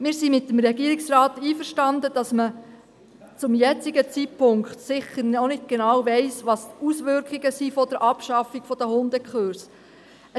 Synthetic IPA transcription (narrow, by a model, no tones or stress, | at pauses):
mɪːɾsimɪt̪ːəm̩ɾɛɡiəɾiksrɑːt̪iːfəɾʃtɑnd̪əd̥ɑsmə | t͡sʊmjɛt͡siɡət͡sitpʰʊŋkχtsɪχəɾnɔnɪt̚ɡ̥enɑːwʋɛɪsʋɑsusʋʏɾkʰiɡəsifɔd̥əɾʔɑpʃɑfːiɡ̥fɔd̥əhʊnd̪əkχøɾs | ə